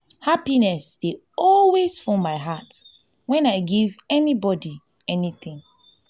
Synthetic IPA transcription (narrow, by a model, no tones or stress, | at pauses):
hapinɛsd̥e | ɔlwez̥fɹɔ̃maɪɦat | wɛ̃naɪɡivɛnibɔdi | ɛniθĩŋ